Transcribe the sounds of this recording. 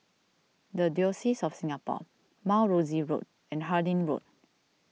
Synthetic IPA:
dədjɔsisɔfsĩŋapɔ̰ | maʊɹoziɹo̰t̚ | ɛ̃nɦadĩnɹo̰t̚

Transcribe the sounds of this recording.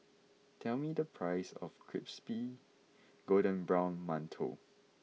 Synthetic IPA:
tʰɛlmidəpʰɹaɪsɔ̰fkʰɹḭpspi | ɡ̥odə̃nbɹãw̃nmãntʰo̰

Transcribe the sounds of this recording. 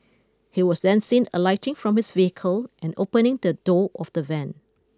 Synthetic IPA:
hiwɔsdɛ̃nsĩnəlaɪtɪ̃ŋfɹɔ̃mhɪsviəkʰəlʔɛ̃no̰pənɪ̃ŋdədɔʔɔfd̥əvɛ̃n

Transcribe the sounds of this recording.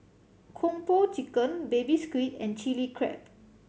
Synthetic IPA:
kʰɔ̃mpot͡ʃikə̃nbebiskwitɛ̃nt͡ʃilikʰɹɛ̰p̚

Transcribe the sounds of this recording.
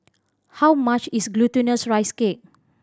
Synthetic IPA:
hawmat͡ʃisɡlutə̃nəsɹajskek̚

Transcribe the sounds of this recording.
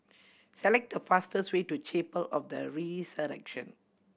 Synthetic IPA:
sɛlɛk̚dəfastəsweːtut͡ʃepəlɔfdə̰ɹisəɾɛ̰kʃə̃n

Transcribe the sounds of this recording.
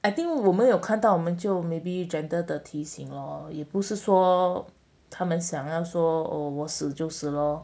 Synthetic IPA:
aɪt̪iŋwɔmənjoʊkʰant̪ɑʊwɔmənt͡ɕjoʊmeɪbiʈ͡ʂɛnd̪əd̪ət̪ʰiɕiŋləjɛpuʂɻ̩ʂwɔ | t̪ʰamənɕjɑŋjɑʊʂwɔə̰wɔsɹ̩t͡ɕjoʊs̩lə

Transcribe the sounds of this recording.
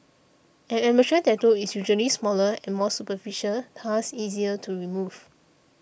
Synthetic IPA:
ɛ̃nɛməʃə̃ntɛtoisjuʒuəlismɔləɛ̃nmɔsupəfiʃəltʰasiziətʰuɹimuv̥

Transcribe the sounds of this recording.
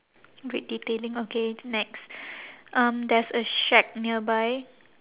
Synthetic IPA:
ɹit̚ditelĩŋokenɛksʔʌ̃mdɛsəʃɛk̚niəbaj

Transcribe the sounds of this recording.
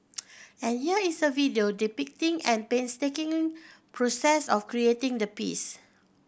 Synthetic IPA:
ɛ̃nhiəisəvidiodipik̚tĩŋɛ̃npẽnstekĩŋpʰɹosɛsɔfkɹietɪ̃ŋdəpḭs

